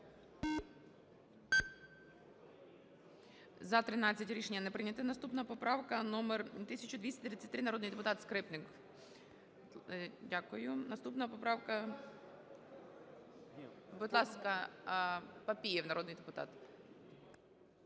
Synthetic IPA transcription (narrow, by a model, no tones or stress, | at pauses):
zɐt̪ɾɪnɑt͡sʲːɐtʲɾʲiʃenʲːɐnɛpɾɪnʲɐt̪ɪnɐst̪upnɐpɔpɾɑwkɐnɔmɛrt̪ɪsʲɐt͡ʃʊd̪ʋʲisʲt̪ʲɐt̪ɾit͡sʲːɐtʲt̪ɪɾɪnɐɾɔd̪njd̪epʊt̪ɑt̪skɾɪpnɪk | dʲakʊjʊnɐst̪upnɐpɔpɾɑwkɐ | bʊd̪lˠɑskɐ | pɐpʲijɛwnɐɾɔd̪nɪjd̪ɛpʊt̪ɑ̰t̪